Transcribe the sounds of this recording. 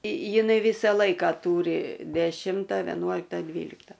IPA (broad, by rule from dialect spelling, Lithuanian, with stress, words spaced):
jɪˈnɐɪ ˈʋʲiːsɐ ˈlˠɐɪkɐ ˈtuːrʲɪ dʲɛˈʃʲɪmtɐ ʋʲɛˈnuɔlʲɪktɐ ˈdʲʋʲiːlʲɪktɐ